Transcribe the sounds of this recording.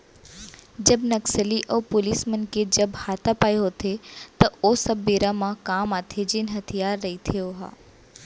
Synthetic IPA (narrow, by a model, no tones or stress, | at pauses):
d͡ʒɐbnɐksəliʔɔːpʊliːsmɐnked͡ʒɐbhaːt̪apaːjɦot̪ʰet̪ɐoːsɐbːiːɾamãkaːmaːt̪ʰed͡ʒɪnɦɐt̪ʰijaːɾːɐɦit̪ʰioɦa̰ː